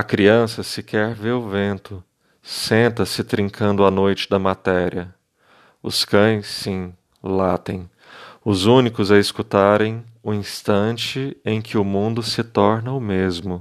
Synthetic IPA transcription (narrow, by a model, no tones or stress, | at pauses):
ɐkɾiɐ̃sɐsɪkʰɛɾveɾʊvẽnt̪ʊ | sẽnt̪ɐsɪt̪ɾĩŋkʰɐ̃nd̪ʊanojt͡ʃɪ̥d̪ɐmat̪ɛɾiɐ | ʊ̰skɐ̃j̃sːĩ | lat̪ẽj̃ | ʊzũnikʊzɐɪskut̪aɾẽj̃ʊĩst̪ɐ̃t͡ʃɪẽj̃kɪʊmũnd̪ʊsɪt̪ɔɾnɐʊmezmʊ